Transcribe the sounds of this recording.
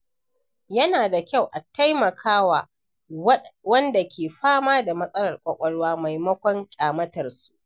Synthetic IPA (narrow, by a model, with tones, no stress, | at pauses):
jɐ˦naː˨da˨kʲa˦˨wʔa˨ta˦jmɐ˨kʰaː˦waː˨ | wɐ˦nda˨kʲʰeː˨ɸaː˦maː˦da˨mɐ˦sʼɐ˦lɐ˨rkʷʼɐ˦kʷʼɐ˦ɽwaː˦ma˨jmɐ˦kʷɔ˦ŋkʲʼaː˨mɐ˦tɐ˨rsu̥˦ʔʔ